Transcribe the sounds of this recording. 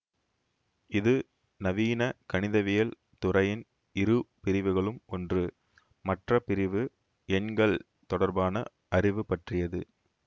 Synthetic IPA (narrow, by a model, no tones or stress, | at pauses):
ɪðɯ | nɐʋiːnɐkɐnɪðɐʋɪjɐl | t̪ʊrɐjɪn | ɪɾɯpɪɾɪʋɯɣɐɭɯmɔndrɯ | mɐʈrɐpɪɾɪʋɯ | ɛnɡɐɭ | t̪ɔɽɐɾbaːnɐ | ʔɐɾɪʋɯpɐʈrɪjɐðɯ